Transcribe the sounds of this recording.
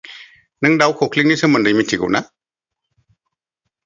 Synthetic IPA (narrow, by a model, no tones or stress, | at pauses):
nɯŋdawkʰɔkʰliŋ̚nisɯməndɯjmitʰiɡɯ̰wna